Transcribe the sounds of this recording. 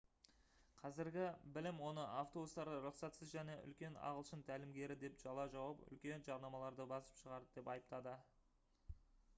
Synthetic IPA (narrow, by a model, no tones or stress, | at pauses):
qʰɑzɪɾɡʲɪbɪlɪmwo̞nəʔaft̪o̞bust̪ɑɾəɾʊqsɑt̪səzʒæne̞ʔʏ̰lkʲe̞nɑ̰ʁəlˠʃənt̪ʰælɪmɡʲe̞ɾɪd̪e̞pʒ̥ɑlˠɑʒɑwɑpʏ̰lkʲe̞nʒɑɾnɑmɑlˠɑɾd̪əbɑsə̥pʃəʁɑɾd̪əd̪e̞pɑjəpt̪ɑd̪ə